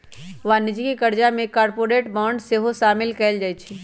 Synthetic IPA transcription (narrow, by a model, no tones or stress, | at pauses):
ʋaːnɪd͡ʒikikɐɾd͡ʒamẽkaːɾpoːɾeːʈbaːʊɳɖseɦoʃaːmɪlkɛld͡ʒaːit͡ʃʰi